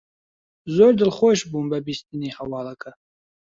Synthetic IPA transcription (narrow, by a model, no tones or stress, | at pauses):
zoːɾd̪ɨlχoːʃbuːnbɐbist̪inihɐwɑːlɐkʰɐ